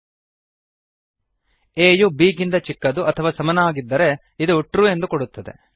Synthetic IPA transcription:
eːjubiːɡind̪ɐt͡ʃikːɐd̪uʔɐt̪ʰɐʋaːsɐmɐnaːɡid̪ːɐɾe̞ | id̪uuʈɾue̞nd̪ukoɽut̪ːɐd̪e̞̰

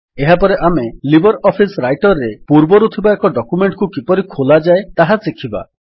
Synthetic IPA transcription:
eɦapɔɾeʔamelibʱɔɾɔpʰisɾajʈɔɾːepuɾbɔɾut̪ʰibaekɔɖɔkumeɳʈkukipɔɾikʰolad͡ʒaet̪aɦasikʰiba̰

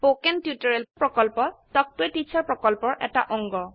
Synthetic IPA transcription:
pokɛntjutɔɹɛlpɹɔkɔlpɔtɔk̚tʊejtit͡ɕʰaɹpɹɔkɔlpɔɹʔɛ̰ta̰ʔɔŋɡɔ

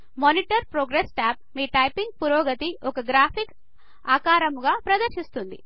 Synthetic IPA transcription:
moniʈɐɾpɾoːɡɾesʈaːp̚miːʈɐjpiŋɡ̚puɾɔːɡɐt̪iɔkɐɡɾaːpʰik | aːkaːɾɐmɡaːpɾɐd̪ɐɾʃist̪und̪ḭ

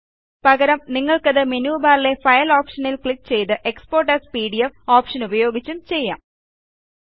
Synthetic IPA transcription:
pɐɣɐɾɐmniŋːɐɭkɐðɨmenuːbaːɾile̞fɐjɐloːpʂɐnilkɭikːt͡ɕe̞jt̪ɨʔekspoːrʈɐspiːɽijɐmoːpʂɐnubɐjo̞ːɡit͡ɕːumt͡ɕe̞jːa̰ːm

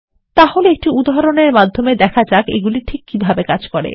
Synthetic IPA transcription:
t̪aholeek̚ʈiud̪aɾoneɾmad̪ʱːomed̪ɛkʰad͡ʑakḛɡuliʈʰikːibʱabekad͡ʑkɔɾḛ

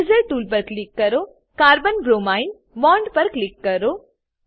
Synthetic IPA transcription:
zəɾʈuːlp̬ɐɾklikːɐɾo | kaːɾbənbɾomaːɪn | ʋɔːɳɖpɐɾklikːɐɾoː

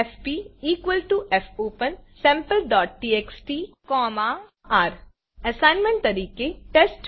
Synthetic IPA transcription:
fpiːiːkwəlʈuʔɛfʰoːpə̃nsɛ̃ːmpəlɖɔːʈ̚ʈiːeːksʈiːkɔːmaː | aːɾ | ɐsãːɪnmɛ̃ɳʈ̚t̪ɐɾiːkeʈesʈ

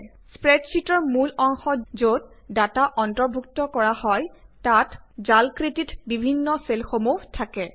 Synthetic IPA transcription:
spɹɛtsitɔɹmulɔŋxɔzot | dataʔɔntɔɹbʱuk̚tɔkɔɹahɔjtatzalkɹititbibʱinːɔselxomuɦtʰakɛ

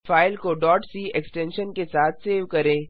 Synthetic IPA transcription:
faːɪlkoɖɔːʈsiːɛksʈɛ̃ːnʃənkesaːt̪ʰseːʋkɐɾẽː

